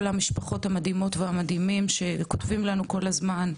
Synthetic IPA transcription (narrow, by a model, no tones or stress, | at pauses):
lhamiʃpaχo̞thamadimo̞tvehamadhimimʃe̞kotvimlanuko̞lazman